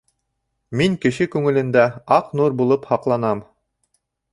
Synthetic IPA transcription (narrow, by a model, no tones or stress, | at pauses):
miŋkɘ̆ʃɘkʉŋɘ̆lɘ̆nd̪æɑqnuɾbulˠɤphɑqlˠɑnɑm